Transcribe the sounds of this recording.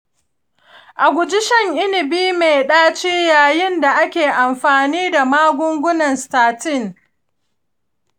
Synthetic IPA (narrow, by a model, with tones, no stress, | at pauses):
ʔa˨ɡʷʊ˨d͡ʒɪ˦ʃɐ˦˨ŋʔɪ˦nɪ˨biː˦me˨ɗaː˦t͡ʃiː˦jaː˨jɪ˦nda˨ʔa˦kʲeː˨ʔa˨mɸaː˨niː˦da˨maː˦ɡʷʊ˦ŋɡʷʊ˦nɐ˨nstaː˨tɪ˦˨ŋ